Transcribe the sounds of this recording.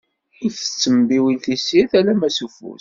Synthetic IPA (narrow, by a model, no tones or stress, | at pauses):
ifə̥t͡sːəmbiwilθisiθælæmæsufṵs